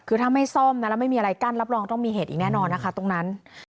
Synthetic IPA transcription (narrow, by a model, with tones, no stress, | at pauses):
kʰɯː˧t̪ʰaː˥˩ma˥˩jsɔ˥˩mna˦˥lɛː˦˥m˥˩jmiː˧ʔa˧a˧jka˥˩nɾa˦˥p̚ɾɔː˧ŋt̪ɔ˥˩ŋmiː˧ɦeː˨˩t̪ʔiː˨˩knɛː˥˩nɔː˧nːa˦˥kʰa˥˩t̪o˧ŋna˦˥n